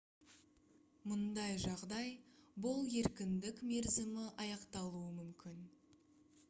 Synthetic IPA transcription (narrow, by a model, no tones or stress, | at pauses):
mʊnd̪ɑjʒɑʁd̪ɑjbʊlˠje̞ɾkʲɪnd̪ɪkme̞ɾzɪmɪʔɑjɑqt̪ɑlˠuəmʏmkʲɪn